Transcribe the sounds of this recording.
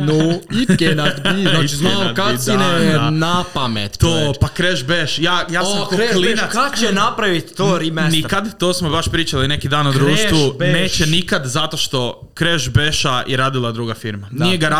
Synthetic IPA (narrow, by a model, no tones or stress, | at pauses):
noikenat̪iat͡ʃiznakainenapamet̪t̪oːpakɾeʃbeʃjaːjaːsmkelinakat͡ʃenapɾaʋit̪t̪ːoɾimenikad̪t̪oːsmobaʃpɾiːt͡ʃalinekid̪aːnod̪ɾuːʃt̪ʋuneːt͡ʃenikad̪zat̪o̞ʃt̪o̞ | kɾeʒbeʃaʔiɾaːd̪ilˠad̪ɾuɡafiɾmanijeɡaɾa